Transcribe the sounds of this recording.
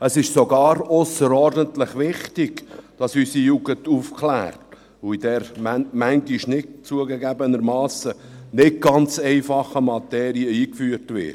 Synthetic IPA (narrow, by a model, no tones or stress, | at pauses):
əsɪʃsoɡɑːɾʊsəɾɔɾdəntləχʋɪχtɪɡ̥d̥ɑsysijuɡəntufkχlæ̰ːɾt | uid̥ɛɾmæŋɡiʃnɪtt͡suəɡəɡæbənəɾmɑːsə | nɪt̚ɡɑnt͡sɛɪfɑχəmɑt̪ɛːɾiəiːkfyːəɾtʋɪ̰ːt